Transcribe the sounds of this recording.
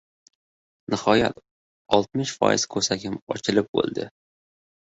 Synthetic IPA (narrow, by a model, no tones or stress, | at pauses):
nɪhɒja̰t̪ | ɒlˠt̪mɪʃfɒ̰jɪz̥kʰɵɾsakʲʰɪmɒ̰t͡ʃʰɪlɪp̚bo̰lˠd̪ɪ